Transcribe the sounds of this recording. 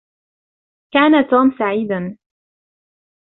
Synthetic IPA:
kaːnat̪uːmsaʕiːd̪an

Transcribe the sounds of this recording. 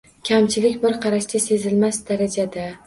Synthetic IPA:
kʲʰamt͡ʃʰɪlɪkʲbɪɾqʰɑɾaʃd̪ʲase̞zɪlmasd̪aɾad͡ʒad̪a

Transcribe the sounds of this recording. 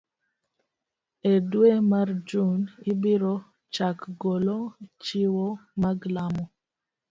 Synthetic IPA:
edwemard͡ʒunibiɾɔ | t͡ʃakɡolot͡ʃiwɔmaɡlamɔ

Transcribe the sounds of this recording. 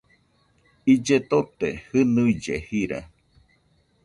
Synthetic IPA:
id͡ʒet̪ot̪ehɨnuid͡ʒehiɾa̰

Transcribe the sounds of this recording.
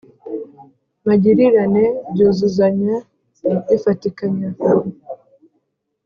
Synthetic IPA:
maɟiɾiɾanebɟozuzaɲa | ifatikaɲa

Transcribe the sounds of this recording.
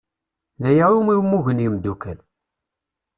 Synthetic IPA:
ðæjaɾumiwmuʝənəmd̪ukæl

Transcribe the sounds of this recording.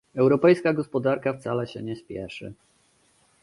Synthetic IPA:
ɛwɾɔpɛjskaɡɔspɔd̪aɾkaft̪salɛɕɛ̰ɲɛspʲjɛ̰ʂɘ̰

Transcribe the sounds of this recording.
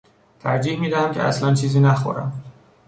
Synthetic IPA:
t̪ʰæɾd͡ʒiːhmiːd̪æhæmcʰeæ̰slænt͡ʃʰiːziːnæxo̰ɾæ̰m

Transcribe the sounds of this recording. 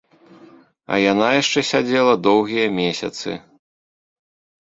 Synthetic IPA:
ɐ̰janajaʂt͡ʂɛsʲad͡zʲɛlˠɐd̪ɔwɣʲijɐmʲɛsʲɐ̰t̪sɨ̰

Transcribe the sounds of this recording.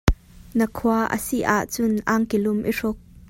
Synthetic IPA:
nəkʰuaʔə̰siʔa̰ʔt͡sʊnʔaŋkilʊmʔiʂʊk̚

